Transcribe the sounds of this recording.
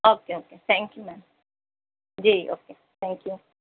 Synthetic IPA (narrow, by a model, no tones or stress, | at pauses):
okeoket̪ɛ̃ŋkjumɛ̃n | d͡ʒiʔo̰ke | t̪ʰɛ̃ŋkju